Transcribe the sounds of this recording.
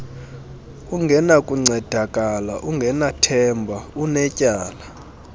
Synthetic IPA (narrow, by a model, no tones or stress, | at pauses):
uŋɡʱɛnakʼuŋ͡ǀɛd̥ʱakʼala̰ʔuŋɡʱɛnatʰɛmbʱaunɛcʼaːla